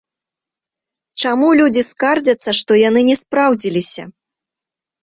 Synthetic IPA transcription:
t͡ʂamulʲud͡zʲiskard͡zʲɐt̪sːɐʂt̪ɔjanɨnʲɛspɾawd͡zʲilʲisʲɐ̰

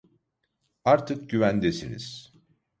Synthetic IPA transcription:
aɾt̪ʰɯk̚ɟyvænd̪esinḭz̥

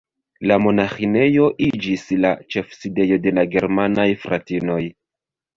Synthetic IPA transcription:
lamo̞naxine̞jo̞ʔid͡ʒisla̰t͡ʃe̞fside̞jo̞de̞laɡe̞ɾmanajfɾa̰tino̞j

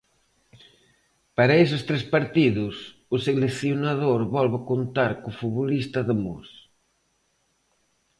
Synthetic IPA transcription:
paɾaes̬ɪst̪ɾespaɾt̪iðʊs | ʊseleθjonaðoɾβɔlβakont̪aɾkʊfuβolist̪ɐðəmos

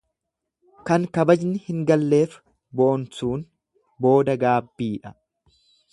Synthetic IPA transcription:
kɐŋkɐbɐd͡ʒnɪhɪŋɡɐlːe̞ːf | boːnsuːn | bo̞ːd̪ɐɡaːbːiːᶑɐ

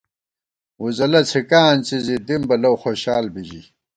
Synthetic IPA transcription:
uzɐlɐt͡sʰikaːnt͡sizid̪imbɐlɐwxoɕaːlbiʑḭ

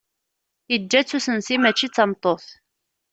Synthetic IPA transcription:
id͡ʒːæt͡sːusənsimæt͡ʃːit͡sːɑmt̪ˤoθ

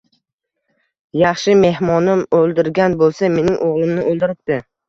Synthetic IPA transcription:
jɑχʃɪme̞hmɒnɪmolˠd̪ɪɾɡʲanbolˠsame̞nɪŋʔoʁlˠɪmnɪʔolˠd̪ɪɾɪp̚t̪ɪ

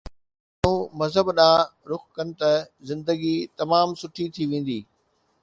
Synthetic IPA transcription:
ũmɐzɦəbɗãːɾʊxkɐnɪ̆t̪ɐ | zɪ̃nd̪əɡit̪ɐmaːmsʊʈʰit̪ʰiʋẽːn̆d̪iː

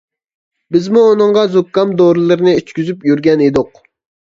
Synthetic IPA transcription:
bɪzmuːnɨŋʁɑzukːɑmd̪oɾɨlˠɨɾɪnɨyt͡ʃkʲyzypjyɾɡʲɛned̪ʊq

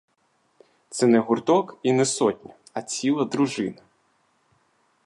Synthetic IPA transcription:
t̪sɛnɛɦʊrt̪ɔkinɛsɔtʲnʲɐ | ɐt͡sʲilˠɐd̪ɾʊʒɪnɐ

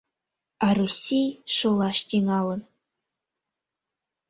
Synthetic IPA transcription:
ɑrusʲijʃulˠɑʃt̪iŋɑlˠɤ̆n

